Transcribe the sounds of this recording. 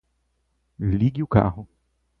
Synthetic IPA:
liɡɪʊka̰ɦʊ

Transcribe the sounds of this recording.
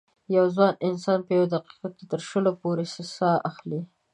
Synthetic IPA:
jawzwɑnɪnsɑnpəjawd̪aqi̥qat̪̚ket̪əɾʃəlopoɾesəsɑʔaxli

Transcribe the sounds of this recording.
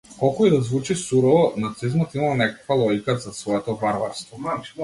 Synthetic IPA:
kɔlˠkɔid̪azvut͡ʃisuɾɔvɔnat̪sizmɔt̪imalˠnɛkakvalˠɔɡʲikazasvɔɛt̪ɔbaɾva̰ɾst̪vɔ

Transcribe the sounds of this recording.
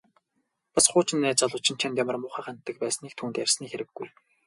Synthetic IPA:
pasχʊːt͡ɕɪ̆nːæːt͡sɔɮʊːt͡ɕʰɪ̆nt͡ɕʰant̪ʲjamʲɪ̆rmʊːχaːχant̪ːə̆k̚pæːsniːk̚t̪ʰuːnt̪ærʲsniːxeɾɘ̆ɡːuj

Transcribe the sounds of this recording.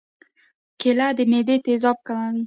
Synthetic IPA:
kelad̪əmed̪et̪ezɑb̚kamawi

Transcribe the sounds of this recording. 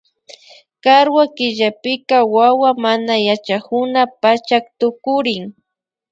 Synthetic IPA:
kaɾwakɪʎapɪkawawamanajat͡ʃakʊnapat͡ʃak̚t̪ʊkʊɾɪŋ

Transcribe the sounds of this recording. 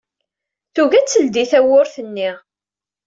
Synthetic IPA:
θuʝæt͡sːəld̪iθæwʊɾθənːiʁ

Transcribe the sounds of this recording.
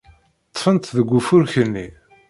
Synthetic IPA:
t̪ˤːfənt̪ðəɡʷːufʊɾçənːi

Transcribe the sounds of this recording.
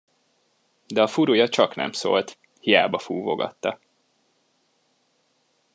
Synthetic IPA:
d̪ɛɒfuɾujɒt͡ʃɒknɛ̰mso̰ːlt̪ | hija̰ːbɒfuːvoɡɒ̰t̪ːɒ

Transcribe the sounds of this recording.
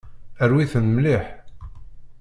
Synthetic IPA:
əɾwiθənmliħ

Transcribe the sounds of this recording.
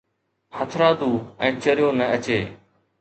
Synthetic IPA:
hət̪ʰɾaːd̪uːɛ̃ːt͡ʃəɾɪjoːnəət͡ʃeː

